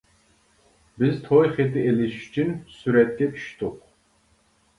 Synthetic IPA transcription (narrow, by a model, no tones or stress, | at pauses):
bɪzt̪ʰojχet̪ʰɪelɪʃy̥t͡ʃʰynsyɾɛt̪̚kʲɛtʰy̥ʃt̪ʰɨq